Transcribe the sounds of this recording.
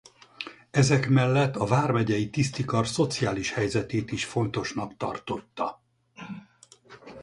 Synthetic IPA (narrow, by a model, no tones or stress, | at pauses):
ɛzɛkmɛlːɛt̪ːɒvaːrmɛɟɛjit̪ist̪ikɒrso̞t̪sijaːliʃhɛjzɛt̪eːt̪iʃfo̞nt̪o̞ʃnɒkt̪ɒ̰rt̪o̞t̪ːɒ